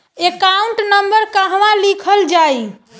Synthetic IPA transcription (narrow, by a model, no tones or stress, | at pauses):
ekauɳʈnəmbəɾkaɦʋãlikʰəld͡ʒaj